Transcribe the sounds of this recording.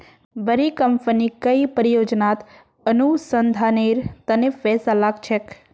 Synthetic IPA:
bəɾikəmpənikəipəɾijod͡ʒnat̪ | ənusənd̪ʱaniɾt̪ənefɛsalaɡt͡ʃʰek

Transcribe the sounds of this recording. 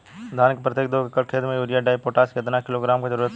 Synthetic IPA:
d̪ʱaːnɪkpɾɐt̪jek̚d̪okekəɾkʰeːd̪mẽjuːɾijaɖaːipoːʈaːsket̪nakɪloːɡɾaːmked͡ʒɐɾuːɾət̪

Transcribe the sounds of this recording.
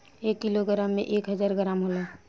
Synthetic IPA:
ekːiloɡəɾamːḛʔekɦəd͡ʒaːɾɡəɾamɦolaː

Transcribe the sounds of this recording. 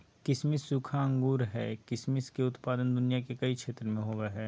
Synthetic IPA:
kɪsmɪsːʊkʰaə̃ŋɡuːɾɦɛ̰ːkɪsmɪskeʊt̪paːd̪ənd̪ʊnijakekɐikʃʰeːt̪ɾəmẽɦoːʋeɦɛː

